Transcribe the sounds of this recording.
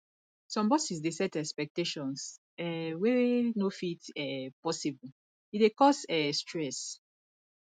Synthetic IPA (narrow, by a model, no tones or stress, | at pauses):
sɔ̃mbɔsis̬desɛtɛkspɛk̚teʃɔ̃ns | ɛwɛnofitɛpɔsibl̩ | itwekɔsɛstʰɹɛs